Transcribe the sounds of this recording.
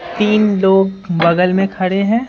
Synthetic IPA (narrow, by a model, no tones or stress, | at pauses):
t̪iːnloːɡbɐɡəlmẽkʰɐɽeɦɛ̃ː